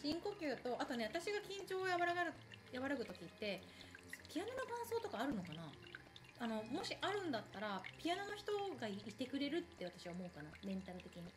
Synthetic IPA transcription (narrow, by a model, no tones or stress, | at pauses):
ɕĩŋko̞kʲɨːt̪o̞ʔat̪o̞neat̪aɕiɡakʲĩɲt͡ɕo̞ːjaβaɾaɡaɾɯ | jaβaɾakɯ̟t̪o̞kʲit̪ːe̞ | pʲijanonokãɰ̃so̞ːt̪o̞kaːɾɯ̟no̞kana | ano̞mo̞ɕiʔaɾɯ̟̃nd̪at̪ːaɾapʲijano̞no̞çʲi̥t̪o̞ɡait̪e̞kɯ̟ɾe̞ɾɯ̟t̪ːe̞β̞at̪ḁɕiβaomo̞ɯ̟kanamẽ̞nt̪aɾɯ̟t̪e̞kʲiɲ̟i